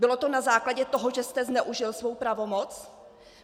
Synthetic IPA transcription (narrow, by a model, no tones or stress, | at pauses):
bɪlo̞t̪o̞nazaːklaɟɛt̪oɦoʒɛst̪ɛznɛʔuʒɪlsvo̞wpɾavo̞mot͡s